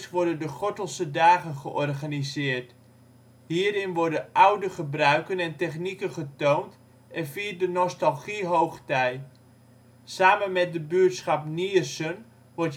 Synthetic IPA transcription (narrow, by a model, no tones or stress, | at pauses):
sʋɔɹdəndəχɔtəlˠsədaːχənχəʔɔrχanizɪːrɹt | hiːəɾɪnʋɔɹdəʔawdəχəbrœɥkənɛntɛχnikənχətownt | ɛnfiːrdənɔstalˠχiɦowχtɛj | saːmənmɛt̚dəbyətsχap̚niəsən | ʋɔrt